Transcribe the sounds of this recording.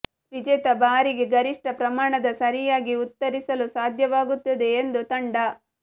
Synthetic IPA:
ʋid͡ʒɛːt̪ɐbaːɾiɡeɡɐɾiʂʈɐpɾɐmaːɳɐd̪ɐsɐɾijaːɡiut̪ːɐɾisɐlusaːd̪ʱjɐʋaːɡut̪ːɐd̪e̞ːnd̪ut̪ɐɳɖɐ

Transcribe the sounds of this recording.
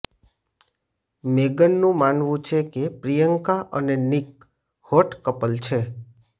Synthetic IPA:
meɡənːũmanʋũt͡ʃʰekepɾijəŋkaʔənenik̚ | hoʈkəpəlt͡ʃʰe

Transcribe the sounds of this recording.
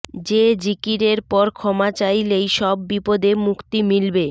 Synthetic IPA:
d͡ʑed͡ʑikiɾeɾpɔɾkʰɔmat͡ɕajlejʃɔbːipod̪emukt̪imilbe

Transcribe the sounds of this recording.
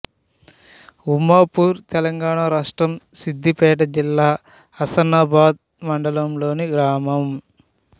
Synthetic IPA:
umːaːpuːɾt̪ɛlɐŋɡaːɳaːɾaːʂʈɾɐmsid̪ʱːipɛːʈ̬ɐd͡ʒilːaː | ɐsɐnaːbaːd̪̚ | mɐɳɖɐlɐmlo̞ːniɡɾaːmɐm

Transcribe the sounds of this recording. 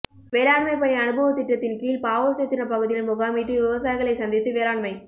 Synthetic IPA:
ʋeːɾaːɳmɐɪpɐɳiɐnɯbɐʋɐt̪ːɪʈːɾɐt̪ːɪnkiːlpaːʋɐsɐt̪ːɪnɐpɐɣɯðɪjɪnmʊɣaːmiːʈrɯʋɪʋɐsaːjɪɣɐɭɐɪsɐnd̪ɪt̪ːɯʋeːɾaːɳmɐɪ

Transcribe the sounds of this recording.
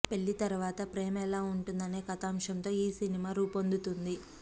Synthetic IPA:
pe̞ɭːit̪ɐɾuʋaːt̪ɐpɾeːmɛlaːuɳʈund̪ɐneːkɐt̪aːmʂɐnt̪o̞ːiːsinimaːɾuːpond̪ut̪und̪i

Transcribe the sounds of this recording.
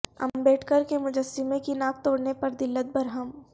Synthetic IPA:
ɐ̰mbɛːʈʰkəɾkemʊd͡ʒəsːɪmẽkinaːk̚t̪oːɽnepɐɾd̪ɪlːət̪̚bɐɾɦəm

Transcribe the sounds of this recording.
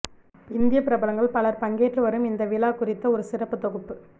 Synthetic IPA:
ɪnd̪ɪjɐpɪɾɐbɐlɐŋɡɐɭpɐlɐɾpɐŋɡeːʈːlɯʋɐɾɯmɪnd̪ɐʋɪlaːkʊrɪt̪ːɐɔɾɯsɪrɐpːɯt̪ɔɣɯpːɯ

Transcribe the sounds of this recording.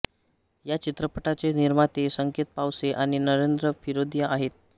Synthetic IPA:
jat͡ɕit̪ɾəpəʈat͡seniɾmat̪esəŋket̪̚pawseʔaɽ̃inəɾend̪ɾəfʰiɾod̪jaʔaɦet̪̚

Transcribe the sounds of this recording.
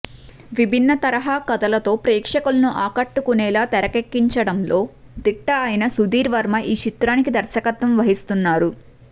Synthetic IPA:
ʋibʱinːɐt̪ɐɾɐɦaːkɐd̪ɐlɐt̪o̞ːpɾɛːkʂɐkulɐnuʔaːkɐʈːukunɛːlaːt̪ɛɾɐkekːiɲt͡ʃɐɽɐmlo̞ː | d̪iʈːɐːjinɐsud̪iːɾʋɐɾmɐʔiːʃit̪ɾaːnikid̪ɐɾsɐkɐt̪ːʋɐmʋɐɦist̪unːaːɾu

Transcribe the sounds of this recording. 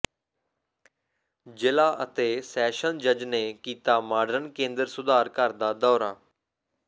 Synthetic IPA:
d͡ʒɪlaːʔət̪eːsɛːʃənd͡ʒəd͡ʒneːkiːt̪aːmaːɖəɾənkẽːnd̪əɾsʊd̪aːɾkəɾd̪aːd̪ɔːɾaː

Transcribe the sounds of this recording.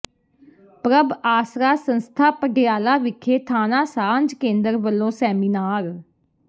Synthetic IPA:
pɾəbaːsɾaːsə̃nst̪ʰaːpəɖɪjaːlaːʋɪkʰːeːt̪ʰaːnaːsaːnd͡ʒkẽːnd̪əɾʋəlːõːsɛːmiːnaːɾ

